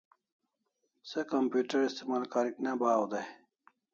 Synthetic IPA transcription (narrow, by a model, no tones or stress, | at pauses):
sekɐmpjuːʈɐɾist̪imaːlkaːɾiknabaːwd̪aj